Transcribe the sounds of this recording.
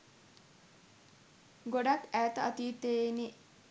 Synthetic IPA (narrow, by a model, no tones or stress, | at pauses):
ɡoɖakæːt̪əat̪iːt̪eːni